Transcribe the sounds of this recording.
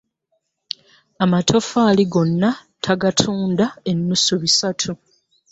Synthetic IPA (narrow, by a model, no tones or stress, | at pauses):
amatʰo̞faːliɡo̞nːa | tʰaɡatʰuːndae̞nːusuβisatʰu